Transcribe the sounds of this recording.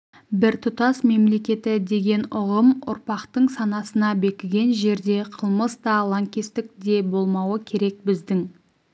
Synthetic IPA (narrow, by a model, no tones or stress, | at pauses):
bɪɾt̪ʰʊt̪ɑsme̞mle̞kʲe̞t̪ɪd̪e̞ɡʲe̞nʊʁəmʊ̰ɾpɑqt̪əɴsɑnɑsənɑbe̞kʲɪɡʲe̞nʒe̞ɾd̪e̞qʰəlˠməsd̪ɑlˠaŋkʲest̪ɪk̚d̪e̞bo̞lˠmɑwəkʲʰe̞ɾe̞k̚bɪzd̪ɪŋ